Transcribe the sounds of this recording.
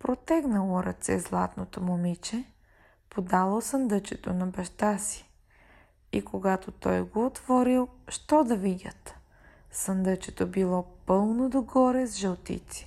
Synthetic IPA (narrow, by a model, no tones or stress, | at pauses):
pɾot̪ɛɡnəlˠoɾɐt̪sɛ̰zlˠa̰t̪not̪omomit͡ʃɛ | pod̪alˠosənd̪ət͡ʃɛt̪onɐbɐʃt̪asi̥ | ikoɡat̪ot̪ɔjɡoːt̪vɔɾilˠʃt̪ɔd̪ɐvid̪ʲət̪ | sənd̪ət͡ʃɛt̪obilˠɔpɤlˠnod̪oɡɔɾɛzʒɛlˠt̪ḭt̪si̥